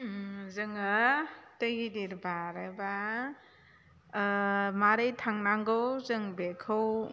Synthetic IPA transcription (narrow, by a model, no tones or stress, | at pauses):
zɯŋatəɡidiɾbaɾeba | maɾɯjtʰaŋnaŋɡɯwzɯŋbekʰɯw